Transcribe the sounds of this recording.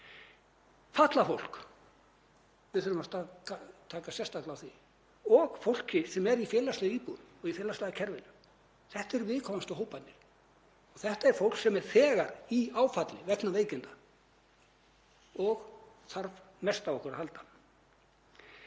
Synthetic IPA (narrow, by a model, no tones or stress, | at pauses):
faht̪lafo̰wl̥k | vɪðʏɾʏmat̪aat̪ʰaːkasjɛst̪aklaawθi | ɔɣfowl̥cɪsɛmɛɾifjɛːlaslɛjʏiːpunɔɣifɛːlast̪laːɣðacʰɛɾvɪlʏ | θɛht̪aɛɾvɪːðkʰɔmast̪ʏɦoːwpat̪nɪɾ̥ | ɔɣθɛht̪aɛɾ̥fowl̥ksɛmɛɾ̥θɛːɣaɾiaːwfat̪lɪvɛt̪naveːjcɪnt̪a | ɔɣ | θaɾv | mɛst̪awɔhkʏɾahal̪t̪ḁ